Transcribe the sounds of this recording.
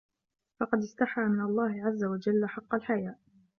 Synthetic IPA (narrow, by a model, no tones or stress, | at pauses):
fɑqɑd̪ɪst̪aħaːmɪnalˤːɑːhɪʕazːawad͡ʒalːħɑqːɑlħajaːʔ